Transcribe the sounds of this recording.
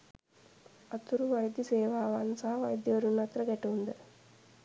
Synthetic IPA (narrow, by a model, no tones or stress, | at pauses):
ɐt̪uɾuʋɐjd̪jɐseːʋaːʋaːnsaɦaʋɐjd̪jɐoɾunːɐt̪ɾɐɡɛʈuːnd̪ə